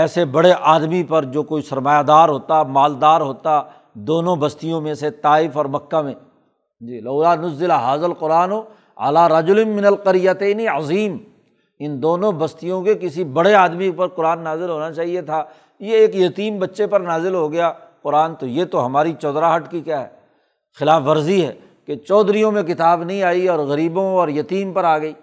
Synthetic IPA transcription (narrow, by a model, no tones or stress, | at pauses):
ɛːsebɐɽeʔaːd̪mipɐɾd͡ʒoːkoːisɐɾmaːjad̪aːɾɦoːt̪amaːld̪aːɾɦoːt̪a | d̪oːnõbɐst̪ijõmẽset̪aːɪfɔːɾmɐkːamẽ | d͡ʒiːlɐːʊlaːnʊzːɪlaɦaːzəlqʊɾaːno | ɐ̰laːɾɐd͡ʒʊlɪnːɪnɐlqɐɾɪjat̪eːniɐziːm | ɪnd̪oːnõbɐst̪ijõkekɪsibɐɽeaːd̪mipɐɾqʊɾaːnːaːzɪlɦoːnat͡ʃaːɦiet̪ʰaː | jeeːkjɐt̪iːmbɐtːʃepɐɾnaːzɪlɦoɡɐjaqʊɾaːnt̪ojet̪oɦɐmaːɾit͡ʃɔːd̪ɾaɦɐʈkikjaːɦɛ̰ | xɪlaːfʋɐɾziɦɛ̰ː | ket͡ʃɔːd̪ɾijõmẽk̬ɪt̪aːbnɐɦĩaːiɔːɾɣɐɾiːbõɔːɾjɐt̪iːmpɐɾaːɡɐiː